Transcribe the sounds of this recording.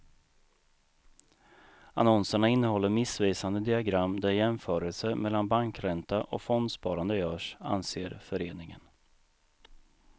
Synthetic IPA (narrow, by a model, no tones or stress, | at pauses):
a̰nɔnsəɳaɪnːəhɔlːəɾmɪsviːsand̪əd̪ɪaɡɾamːd̪æɾjɛmfœːɾəlsəmɛlːanbaŋkɾɛnt̪aʔɔ̰kfɔnd̪spɑːɾand̪əjœːʂa̰nseːɾfœɾeːnɪŋə̰n